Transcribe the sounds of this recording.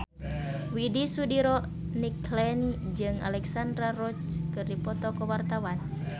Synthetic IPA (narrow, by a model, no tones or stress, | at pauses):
widisudiɾɔ | niklɛnd͡ʒɨŋa̰lɛksand̪ɾaɾɔt͡ʃkɨrdipɔt̪ɔkɔwart̪awan